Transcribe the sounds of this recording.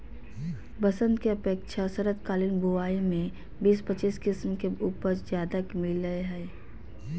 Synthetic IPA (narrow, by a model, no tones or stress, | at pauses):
bəsə̃nd̪keɐpeːkʃasɐɾət̪kaːlinbuaːimẽ | biːspət͡ʃiːskɪsmkeuːpəɾzjaːd̪akmɪləeɦɛː